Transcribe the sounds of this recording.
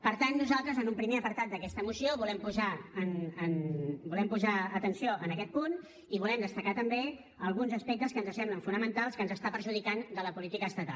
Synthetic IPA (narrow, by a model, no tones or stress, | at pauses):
pəɾt̪anːuzalˠt̪ɾəzənumpɾimeəpəɾt̪at̪̚d̪əkɛst̪əmusioβulɛmpuzaənənbulɛmpuzaət̪ənsioʔənəkɛt̪̚pun | iβ̞ulɛmd̪əst̪əkat̪əmbe | əlˠɣunzəspɛk̚t̪əskənzəsɛmbləɱfunəmənt̪alˠskənzəst̪apəɾʒuð̞ikand̪ələpulit̪ikəːst̪ət̪a̰l